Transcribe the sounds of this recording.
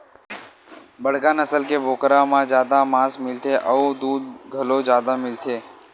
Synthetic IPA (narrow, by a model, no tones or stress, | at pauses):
bəɽ̤kaːnəsəlkebʱoːkɾãmãd͡ʒjaːd̪amãːsmɪlt̪ʰeʔəud̪uːd̪̚ɡʱəlod͡ʒjaːd̪amɪlt̪ʰeː